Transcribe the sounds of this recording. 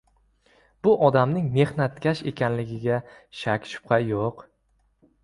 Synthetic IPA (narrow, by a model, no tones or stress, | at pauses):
b̥ʊʔɒd̪amnɪŋme̞hnat̪kʲaʃe̞̰kʲanlɪɡʲɪɡʲa | ʃakʲʃʊ̥p̚qʰɑjoq